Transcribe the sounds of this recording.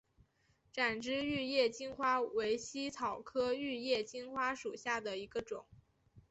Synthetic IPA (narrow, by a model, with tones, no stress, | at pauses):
ʈ͡ʂa˨˩nʈ͡ʂɻ̩˥y˥˧jɛ˥˩t͡ɕi˥nxwa˥we˧˥ɪɕi˥t͡sʰɑ˨˩ʊkʰɤ˥y˥˧jɛ˥˩t͡ɕi˥nxwa˥ʂu˨˩ɕja˥˩d̪ə˩i˧˥ɡə˧ʈ͡ʂʊ˨˩˦ŋ